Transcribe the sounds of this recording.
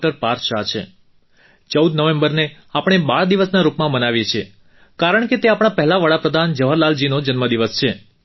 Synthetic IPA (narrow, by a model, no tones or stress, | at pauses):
ʈəɾpaɾʃat͡ʃʰḛ | t͡ʃəwd̪nəʋẽmbəɾne | apɽ̃ebaɾd̪iʋəsnaɾupmãmənaʋjet͡ʃʰe | kaɾəɳ̃ket̪eapɽ̃apɛɦɛlaʋəɽapɾəd̪ʱand͡ʒəʋʱəɾlald͡ʒinod͡ʒənməd̪iʋəst͡ʃʰe